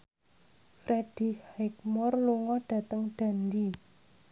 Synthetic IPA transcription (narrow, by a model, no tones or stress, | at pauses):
fɾeɖ̥i̤khak̚mɔrluŋɔɖ̥ä̤t̪əŋɖ̥a̤ndi